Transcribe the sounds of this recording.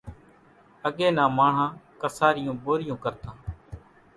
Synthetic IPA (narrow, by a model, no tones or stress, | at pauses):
əɠeːnãːmaːɳ̤ãːkəsaːɾɪjõːboːɾɪjõːkəɾt̪ãː